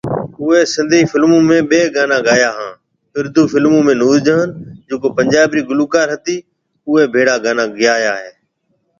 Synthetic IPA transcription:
ʊɦeːsɪ̃nd̪ʱiːfɪlmũːmẽːɓeːɡaːnãːɡaːjaːɦãː | ɪɾd̪ʱuːfɪlmũːmẽːnuːd͡ʒd͡ʒəːnd͡ʒõːkoːpəɲd͡ʒaːbɾiːɡʊluːkaːɾɦət̪iː | ʊɦeːbʱeːɽaːɡaːnãːɡɪjaːjaːɦeː

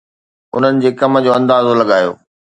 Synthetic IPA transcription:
ʊ̰n̤ənɪ̆d͡ʑeːkɐmə̆d͡ʑoːɐ̃nd̪aːzolɐɠaːjo̰ː

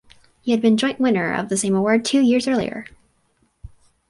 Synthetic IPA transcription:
hiɨd̚bɨ̃nd͡ʒɔ̃ɪ̃nʔwɪ̃nə˞ʌ̰vðɨsẽɪ̃məwɔɹd̚tʰʉjɪɹzɜ˞lˠḭə̰˞

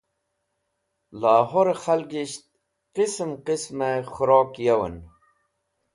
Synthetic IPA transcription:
laːɦoɾexalɡiɕt̪̚ | qismqismexuɾoːkjewə̰n

